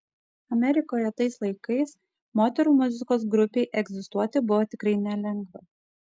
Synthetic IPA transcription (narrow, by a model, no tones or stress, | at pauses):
ɐmʲɛɾʲɪkoːjɐt̪ɐɪslˠɐɪkɐɪs | moːt̪ʲɛɾuːmʊzʲɪkoːs̬ɡɾʊpʲeɪʔɛɡʲzʲɪst̪uɔt̪ʲɪbʊʋoːt̪ʲɪkɾɐɪnʲɛlʲɛŋɡʋɐ